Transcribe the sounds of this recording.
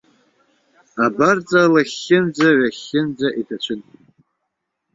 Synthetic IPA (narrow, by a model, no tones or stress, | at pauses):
abart͡sʼalaχʲːɪnd͡zʷaɥaχʲːɪnd͡zaʔitʰat͡ʃʷʰɨn